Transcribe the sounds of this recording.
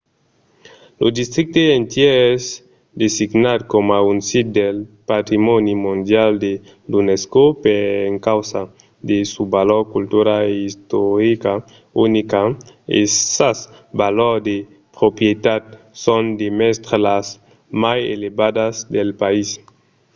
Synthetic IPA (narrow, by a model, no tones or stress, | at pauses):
lod̪ist̪ɾik̚t̪eent̪jeez | d̪esiɡnad̪̚komaunsit̪̚d̪elpat̪ɾimonimũnd̪jald̪e | d̪uneskopeeŋkawsa | d̪esubaloɾkult̪uɾaeist̪oɾika | unikaḛsasbaloɾd̪e | pɾopjet̪ad̪̚ | sond̪emest̪ɾalas | majḛlebad̪azd̪elpais